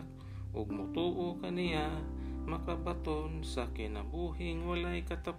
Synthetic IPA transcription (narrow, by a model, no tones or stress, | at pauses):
k | ʔʊɡ̚mʊt̪uːʔokanɪjamɐkabat̪onsakɪna̰buːhɪŋwalajkat̪ap